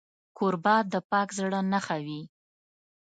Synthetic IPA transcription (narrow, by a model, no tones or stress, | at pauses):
koɾbɑd̪̚ːəpɑkzɽənaxawi